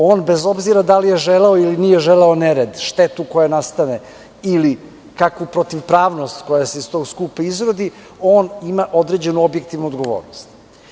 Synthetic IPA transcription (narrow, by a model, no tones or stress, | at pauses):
o̞ːnbezo̞bziɾad̪alije̞ʒeleoilinijeʒeleoneɾed̪ʃt̪et̪ukojanast̪ane | ili | kakʋupɾot̪iʋpɾaːʋnost̪ko̞jase̞ist̪o̞ːɡskuːpaizɾod̪i | o̞ːnimaʔo̞d̪ɾe̞d͡ʑe̞nuo̞bjek̚t̪iʋnuod̪ɡo̞ʋo̰ːɾnost̪